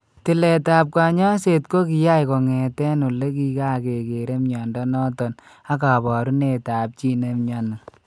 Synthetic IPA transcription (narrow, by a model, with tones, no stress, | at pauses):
tɪ˨lɛ˨ta˨p̚kwa˨ɲɔ˦se˨tko˦ki˨ja˦jkɔ˨ŋɛ˨tɛ˦no˨le˦ki˦ka˦˨ke˨ke˨ɾe˦mɲɔ˨ndɔ˦nɔ˦tɔ˨n | a˦ka˨bɔ˨ɾu˦ne˨taː˨p̚t͡ʃi˦ne˦mɲɔ˦na˨